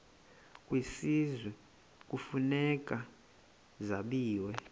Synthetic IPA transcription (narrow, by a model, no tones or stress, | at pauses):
kʼwisizwɛ | k̬ʼufunɛk̬ʼa | zaɓiːwɛ